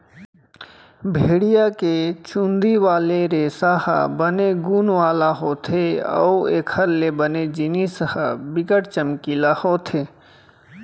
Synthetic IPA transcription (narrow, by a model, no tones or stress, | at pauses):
bʱeːɽijaket͡ʃũnd̪iʋaːleɾeːsahə̰bəneɡuːnʋaːlaɦoːt̪ʰeə̰uḛːkʰəɾlebəned͡ʒinishəbɪkəʈt͡ʃəmkilahoːt̪ʰeː